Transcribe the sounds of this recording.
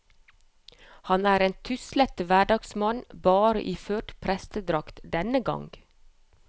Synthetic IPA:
hɑnæːɾeːnt̪ʰʏslɛt̪ʋæɖɑːɡsmɑnbɑːɾə̰ʔiːføːʈpʰɾɛst̪əd̪ɾɑkt̪d̪ɛnəɡɑ̰ŋɡ̥

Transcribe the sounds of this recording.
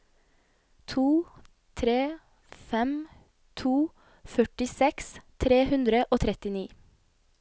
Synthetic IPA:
t̪ʰuː | t̪ʰɾeː | fɛm | t̪ʰuː | fœʈɪsɛkst̪ʰɾeːhʉnd̪ɾəʔoːt̪ʰɾɛt̪ɪniː

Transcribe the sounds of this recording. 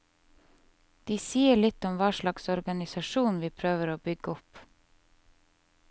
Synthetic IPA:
d̪̥iːsiːəɭɪt̪ɔmʋɑːʃlɑksɔɾɡɑnɪsɑʃuːnʋiːpʰɾøːʋəɾoːbʏɡəɔp

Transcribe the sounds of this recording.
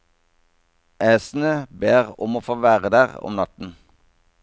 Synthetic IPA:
ʔæːsn̩əbeːʁʊmoːfoːʋæːʁəd̪æːʁɔ̰mnɑt̪n̩

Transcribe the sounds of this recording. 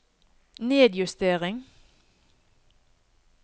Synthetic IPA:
neːd̪jʉst̪eːʁɪŋ

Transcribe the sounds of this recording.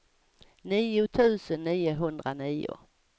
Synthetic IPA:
niːʊt̪ʰʉ̟ːsənːiːʊɦɵnd̪ɾaniːʊ̰

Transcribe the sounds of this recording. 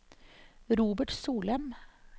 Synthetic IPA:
ɾuːbəʈsuːlɛm

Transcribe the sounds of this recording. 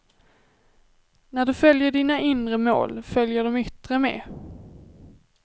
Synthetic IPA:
næɖɵfœljəɖiːnaʔɪnɾəmo̰ːlfœljəɖɔmʏt̪ɾəmḛː

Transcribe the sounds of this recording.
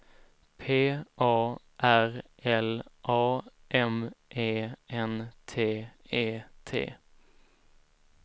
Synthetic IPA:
pʰeːʔɑː | ʔæɾʔɛlʔɑːʔɛmʔeːʔɛnt̪ʰeːeːt̪ʰḛː

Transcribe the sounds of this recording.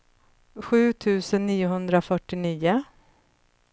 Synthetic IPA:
ɧʉ̟ːt̪ʰʉ̟ːsənːiːʊɦɵnd̪ɾafœʈːɪniːʊ

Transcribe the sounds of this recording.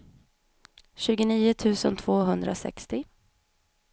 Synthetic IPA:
ɕʉ̟ːɡʊniːʊt̪ʰʉ̟ːsə̰nt̪ʰv̥oːɦɵnd̪ɾa̰sɛ̰kst̪ɪ

